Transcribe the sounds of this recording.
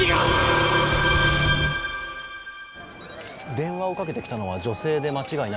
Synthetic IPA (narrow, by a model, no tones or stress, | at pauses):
a | d̪ẽ̞ɰ̃βao̞kake̞t̪e̞kʲi̥t̪ano̞βad͡ʑo̞se̞ːd̪e̞mat͡ɕiɡain